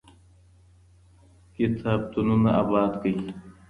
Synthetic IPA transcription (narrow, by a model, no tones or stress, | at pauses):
kit̪ʰaːb̚t̪ununɐa̰ːbaːd̪kəi